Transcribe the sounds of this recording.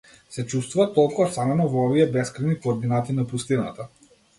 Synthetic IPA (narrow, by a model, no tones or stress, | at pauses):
sɛt͡ʃust̪vuvat̪ːɔlˠkuɔst̪anɛnɔvɔɔviɛbɛskɾajnikoːɾd̪inat̪inapust̪ina̰t̪a